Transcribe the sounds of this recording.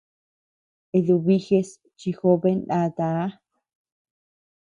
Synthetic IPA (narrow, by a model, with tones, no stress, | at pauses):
e˧ðu˧βi˦xe˧s | t͡ʃi˧xo˦βe˦nda˧t̪a˨˦